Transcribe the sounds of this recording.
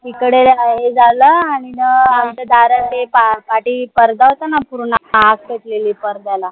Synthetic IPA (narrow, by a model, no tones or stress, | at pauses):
t̪ikəɽelaɦed͡zaləaɽ̃inəamt͡ɕad̪aɾət̪epapaʈiːpəɾd̪aɦot̪anapuɾunaakkət̪leliːpəɾd̪ala